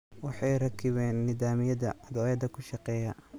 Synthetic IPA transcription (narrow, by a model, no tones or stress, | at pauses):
wɑħɑjrɐkʰɪβɛːnːɪðaːmɪjɐðɐɐd̪ɔːjɐd̪ɐkʰʊʃɑqɛːjɐ